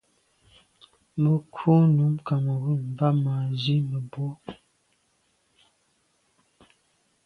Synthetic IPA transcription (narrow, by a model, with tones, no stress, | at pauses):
mə˨kʰo˦nu˨˦mka˨m˨ɣu˦˨m˨va˦maː˨zi˦mə˨bo˦